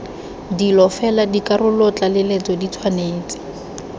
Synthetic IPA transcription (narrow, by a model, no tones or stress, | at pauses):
dilɔfɛladikʼarʊlɔt͡ɬʼalɪlet͡sɔdit͡sʰwaneːt͡sɪ̥